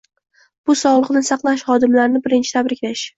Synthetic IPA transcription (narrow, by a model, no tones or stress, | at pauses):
b̥ʊsɒʁlˠɨqnɪsɑqlˠaʃχɒd̪ɪmlaɾnɪbɪɾɪnt͡ʃʰɪ̥t̪ʰabɾɪkʲlaʃ